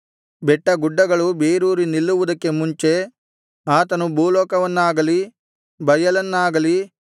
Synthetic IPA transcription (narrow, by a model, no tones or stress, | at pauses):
bɛʈːɐɡuɖːɐɡɐɭubeːɾuːɾinilːuʋud̪ɐkːe̞muɲt͡ʃe̞ | aːt̪ɐnubʱuːlɔːkɐʋɐnːaːɡɐli | bɐjɐlɐnːaːɡɐli